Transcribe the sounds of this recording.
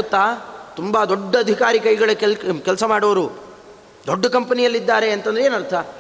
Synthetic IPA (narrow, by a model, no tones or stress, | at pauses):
t̪ːat̪umbad̪oɖːɐːd̪ʱikaːɾikɐjɡɐɭɐkkɛlsɐmaːɽɐʋɐɾu | d̪oɖːɐkɐmpɐnijɐlːid̪ːaːɾe̞ɐnt̪ɐnd̪ɾeeːnɐɾt̪ʰɐ